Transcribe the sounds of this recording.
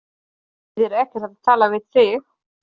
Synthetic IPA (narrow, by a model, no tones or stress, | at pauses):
ðɛɾɛhcɛɾt̪avat̪ʰaːlavɪðθɪx